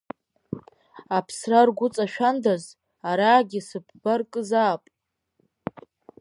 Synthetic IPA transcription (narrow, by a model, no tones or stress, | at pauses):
apʰsrarɡʷʊt͡sʼaʃᶣandaz | aɾaːɡʲisɨb̚ʰb̥arkʼɨzaːpʼ